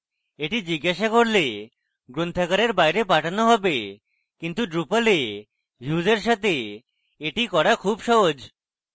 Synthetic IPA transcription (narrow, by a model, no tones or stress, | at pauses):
eʈid͡ʑiɡːaʃakoɾle | ɡɾont̪ʰakaɾeɾbajɾepaʈʰanoɦɔbe | kint̪uɖɾupale | ɦjuzeɾʃat̪e | eʈikɔɽakʰuːbʃɔɦod͡ʒ